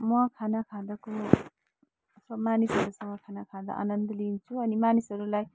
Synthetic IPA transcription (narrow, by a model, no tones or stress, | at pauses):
mʌkʰanakʰad̪ako | sʌmanisɦʌɾusʌŋʌkʰanakʰad̪a̰ʔa̰nʌnd̪ʌlint͡sʰuʌnimanisɦʌɾulaj